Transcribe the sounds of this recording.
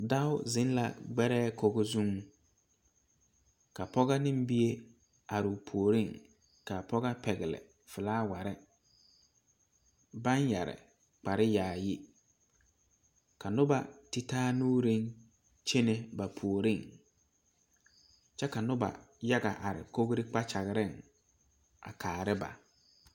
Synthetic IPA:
da˦ʊ˦zɪ˨˦n˦la̰˨ɡ͡bɛ˦ɾɛː˦ko˨ɡo˦zu˦ŋ˦ | ka˨pɔ˦ɣa˦nɪ˦m˦bi˦e˦ | a˨ɾɪ˨pʰu˨o˨ɾi˦˨ŋ | ka˨pɔ˦ɣa˦pʰɛ˨ɣɪ˨lɪ̰˨ | fɪ˨laː˦wa˨ɾɪ˦ | ba˦nja̰˨ɾɪ̰˨ | k͡pa˨ɾɪ˦jaː˨jɪ˦ | kʰa˨nʊ˦ba˨ti˦tʰaː˦nuː˦ɾĩ˦n | t͡ʃʰe˦ne˦ba˨pʰu˨o˨ɾĩ˦˨ŋ | t͡ʃɛ˦ka˨nʊ˦ba̰˨ja˦ɡa˨ʔa˨ɾɪ̰˨kʰo˦ɡɾɪ˦k͡pa˦t͡ʃa˨ɣɪ˨ɾɪ˦˨n | a̰˨kʰaː˨ɾɪ˦ba̰˨

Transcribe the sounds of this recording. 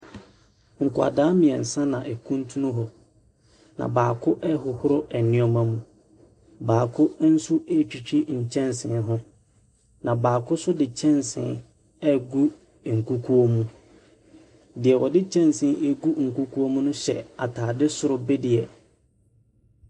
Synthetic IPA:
ŋ̩˨kʰʊ˨a̰˨daː˨˦mɪ̃˨ɛ˨n̩˨sã˦nã˨ʔɛ˨kʰũ˦ntʰũ˦nʊ̃˦ɦɔ˨ | nã̰˨baː˨kʰʊ˦ʔɛ˦ɦʊ˨hʊ˦ɾʊ˦ɛ˨nɪ̃˦ɔ˦mã˨mũ˨ | baː˨kʰʊ˦n̩˦su˦e˦t͡ɕᶣi˨t͡ɕᶣi˦ɲ̩˨t͡ɕʰɛ̃˦nsɪ̃˨nɦʊ̃˦ | nã˨baː˨kʰʊ˦sʊ˦dɪ˨t͡ɕʰɛ̃˦nsɪ̰̃˨n | ɛ˦ɡu˦˨ | ŋ̩˨ku˦kʰu˦o˦mũ˦ | dɪ˨ɛ˨wɔ˨dɪ˦t͡ɕʰɛ̃˦n˨sɪ̃˨˦ʔe˦ɡu˦ŋ̩˨ku˦kʰu˦o˦mũ˦nʊ̃˦ɕɛ̰˨a˨tʰaː˨dɪ˦sʊ˦ɾʊ˦bɪ˦dɪ˨ɛ˨

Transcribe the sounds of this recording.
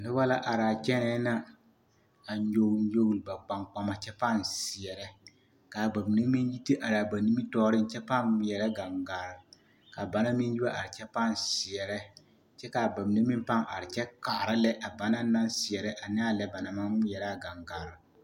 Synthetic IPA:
nʊ˦ba˦la˦ʔa˨ɾa˨t͡ʃɛ˦nɛː˦na˦ | a˨ɲo˨˦ɲo˦ɣlba˨k͡pa˨ŋk͡pa˨ma˨t͡ʃɛ˦pa˦˨nsɪ˨ɛ˨ɾɛ˦ | ka˨ba˨m˨ne˦mi˦nji˦te˦ʔa˨ɾa˨ba˨ni˦mi˦tɔː˦ɾɪ˦n˨t͡ʃɛ˦pa˦˨˦jɛ˨ɾɛ˦ɡa˨ŋɡaː˨ɾɪ˨ | ka˨ba˨na˦mi˦n˦ji˦ba˦ʔa˨ɾɪ˨t͡ʃɛ˦pa˦˨nsɪ˨ɛ˨ɾɛ˦ | t͡ʃɛ˦ka˨ba˨m˨ne˦mɪ˦mpa˦ŋʔa̰˨ɾɪ˨t͡ʃɛ˦kaː˨ɾɪ˦lɛ˦ʔa˨ba˨na˦na˦nsɪ˨ɛ˨ɾɛ˦ʔa˨nɪ˦a˦lɛ˦ba˨na˨ma˦jɛ˨ɾa˦ɡa˨ŋɡaː˨ɾɪ˨

